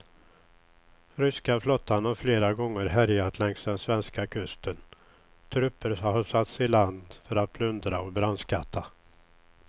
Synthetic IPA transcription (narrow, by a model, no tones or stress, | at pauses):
ɾʏskaflɔt̪ʰːanafleːɾaɡɔŋːəɾɦæɾjat̪ʰlɛŋsd̪ɛnsvɛnskakʰɵst̪ən | t̪ʰɾɵpːəɾhaʂat̪sɪland̪fœɾat̪̚bʰlɵnd̪ɾaɔbɾanskat̪ʰːa